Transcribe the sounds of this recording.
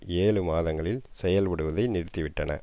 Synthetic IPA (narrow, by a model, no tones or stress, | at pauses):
eːɭɯmaːðɐŋɡɐɭɪlsɛjɐlʋɐɽɯʋɐðɐɪnɪɾt̪ːiʋɪʈːɐnɐ̰